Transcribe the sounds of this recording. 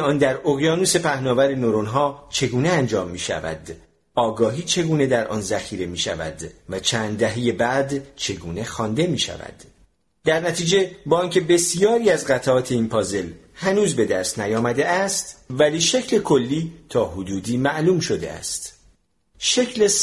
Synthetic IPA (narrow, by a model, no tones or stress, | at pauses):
ɒːnd̪æɾoɣjɒːnuse̞pʰæhnɒːvæɾenoɾonɦɒːt͡ʃʰe̞ɡuːne̞ænd͡ʒɒːmːiːʃæ̰væ̰d̪ | ɒːɡɒːɦiːt͡ʃʰe̞ɡuːne̞d̪æɾʔɒ̰ːnzæxiːɾe̞miːʃæ̰væ̰d̪væt͡ʃʰæːnd̪̚d̪æɦeje̞bæd̪t͡ʃʰe̞ɡuːne̞xɒːnd̪e̞miːʃæ̰væ̰d̪̥ː | æɾnæt̪ʰiːd͡ʒe̞bɒːiːncʰe̞be̞sijɒːɾiːæzɢæt̪ʰæɒːt̪ʰe̞iːnpʰɒːze̞l | hænuːzbe̞d̪æɾsnæjɒːmæd̪e̞ʔæst̪væliːʃe̞cʰle̞kʰo̞lːiːt̪ʰɒːhod̪uːd̪iːmæʔluːmʃo̞d̪e̞̰æ̰st̪ | ʃe̞cʰle